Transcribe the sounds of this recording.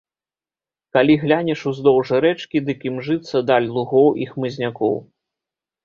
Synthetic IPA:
kalʲiɣlʲanʲɛʂuzd̪ɔwʐɨɾɛt͡ʂkʲid̪ɨkʲimʐɨt̪sːɐd̪alʲlˠuɣɔwʔixmɨzʲnʲakɔ̰w

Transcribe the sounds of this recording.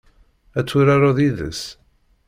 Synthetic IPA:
æt͡sːuɾaɾaðiðə̰s

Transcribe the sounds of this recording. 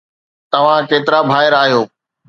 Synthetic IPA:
t̪ɐʋ̤ãkeːt̪ɪɾabʱaːɪɾaːɦijoː

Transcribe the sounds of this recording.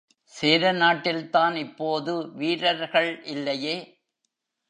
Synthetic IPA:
seːɾɐnaːʈːɪlt̪aːnɪpːoːðɯʋiːɾɐɾɣɐɭʔɪlːɐjeː

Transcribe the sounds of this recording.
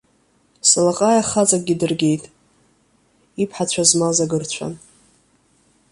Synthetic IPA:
salaqʼajaχat͡sʼak̚ʼɡʲidɨrɡʲe̞jtʼ | ipʰħat͡ɕʷʰazmazaɡɨrt͡ɕʷʰa̰n

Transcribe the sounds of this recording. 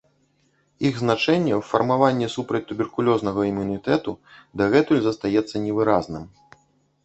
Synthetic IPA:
iɣznat͡ʂɛnʲːɛwfɐrmavanʲːɛsupɾɐt͡sʲt̪ubʲɛrkulʲɔznɐɣɐimunit̪ɛt̪ud̪ɐɣɛt̪ulʲzɐst̪ajɛt̪sːɐnʲɛvɨɾaznɨm

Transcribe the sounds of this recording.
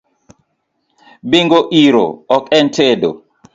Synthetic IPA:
biŋɡɔʔiɾɔ̰ɔkʼɛntʰɛdɔ̰

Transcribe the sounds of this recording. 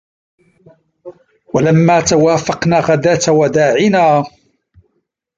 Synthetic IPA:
walamːaːt̪awaːfɑqnaːɣad̪aːt̪awad̪aːʕɪnaː

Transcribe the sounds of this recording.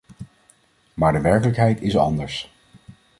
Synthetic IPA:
maːɹdəʋɛɹkələkɦɛjtɪsɑ̰ndəɹs

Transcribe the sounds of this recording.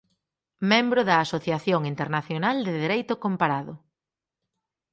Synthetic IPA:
mẽmbɾʊðɐːsoθjaθjoŋint̪eɾnaθjonald̪ɪðeɾejt̪ʊkompaɾaðʊ

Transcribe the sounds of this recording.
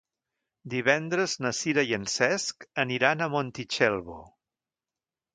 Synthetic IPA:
d̪iβɛnd̪ɾəznəsiɾəjənsɛskəniɾanəmont̪it͡ʃɛlˠβo̰

